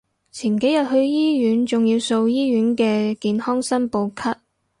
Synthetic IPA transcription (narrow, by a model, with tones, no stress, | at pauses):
t͡sʰiː˨˩ke˨˥jɐ˨t̚hɵ˧ɥjiː˥jyː˨˥nt͡sʊ˨ŋjiː˧wso˧wjiː˥jyː˨˥nkɛː˧kiː˨nhɔː˥ŋsɐ˥npo˧wkʰɐ˥t̚